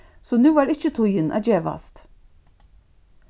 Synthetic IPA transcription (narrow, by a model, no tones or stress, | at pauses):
sɔnʉːʋɑːɾɪçət̪ʰʊjənʔɑ̰ːd͡ʒeːʋɑ̰st̪